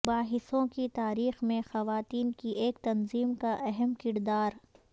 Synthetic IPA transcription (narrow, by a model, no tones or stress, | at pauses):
baːɦɪsõkit̪aːɾiːxmẽxɐʋaːt̪iːnkiʔeːkt̪ɐnziːmkaʔɛɦɛmkɪɾd̪aːɾ